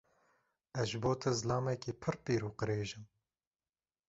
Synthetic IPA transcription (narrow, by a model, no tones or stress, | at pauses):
ɛzʒboːt̪ʰɐzɨlɑːmɛkiːpʰɨɾpiːɾuːqɨɾeːʒɪm